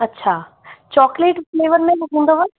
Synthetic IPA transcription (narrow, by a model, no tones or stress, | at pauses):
ɐtːɕʰaː | t͡ɕɔːkleːʈfleːʋəɾmẽɦɐɦũːnd̪oʋə